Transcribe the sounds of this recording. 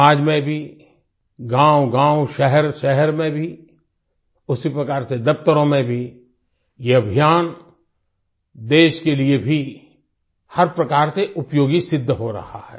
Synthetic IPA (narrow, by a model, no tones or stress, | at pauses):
aːd͡ʒmẽbʱi | ɡãːʊɡãːʊʃɛɦɛɾʃɛɦɛɾmẽbʱi | ʊsipɾɐkaːɾsed̪ɐpt̪əɾõmẽbʱi | jeɐbʱijaːn | d̪eːʃkeliebʱi | hɐɾpɾɐkaːɾseʔʊpjoːɡisɪd̪ʱːɦoɾɐ̰ha̰ɦɛ̰ː